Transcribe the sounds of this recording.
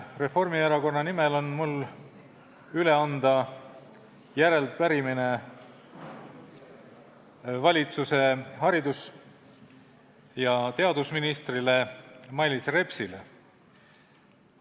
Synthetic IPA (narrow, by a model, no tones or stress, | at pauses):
re̞fo̞rmieɾɑko̞nːɑnimelo̞nmul | yle̞ɑnd̪̥ɑ | jæɾe̞lpæɾimine̞ | vɑlʲit̪suse̞ɦɑɾid̪us | jɑt̪e̞ɑd̪usminist̪rile̞mɑjlʲisre̞psilḛ